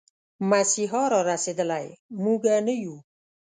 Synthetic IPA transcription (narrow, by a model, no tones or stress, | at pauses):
masiɦɔɾɔɾased̪əlajmuɡanəju